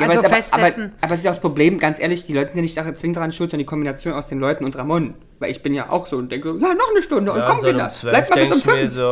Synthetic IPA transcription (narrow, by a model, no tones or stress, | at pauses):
ʔaːɐsaːbɐaːbɐʔaːbɐɛs̬ɪstjaʊxspʁobleːmɡant͡sʔeːɐlɪçd̥iːlɔʏtəzɪnjanɪçtd̥aʁt͡svɪŋənd̥aʁaːnʃtʊltzɔndɐəndikʰɔmbinat͡sjoːnaʊsd̥eːnlɔʏtn̩ʊntʁamɔnən | vaɪlɪçb̥ɪnja̰ːʔa̰ʊxz̥oːʊntd̥ɛŋkəzoːjaːnɔχnəʃtʊndəʊntkʰɔmvɪda̰laɪmalbɪsʊmfnf